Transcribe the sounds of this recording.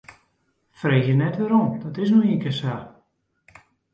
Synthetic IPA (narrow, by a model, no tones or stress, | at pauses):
freːxjənɛtʋɛɾomd̥ɔtɪs̬nuiŋkəsa